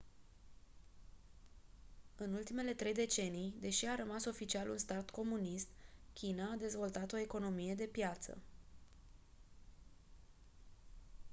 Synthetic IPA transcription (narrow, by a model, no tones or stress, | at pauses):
ɨnult̪ime̞le̞t̪ɾe̞jd̪e̞t͡ʃe̞nijd̪e̞ʃiaɾəmaso̞fit͡ʃialṵnst̪art̪ko̞munist̪kʲinaːd̪e̞zvo̞lt̪at̪o̞e̞ko̞no̞mije̞d̪e̞pjat̪sə̰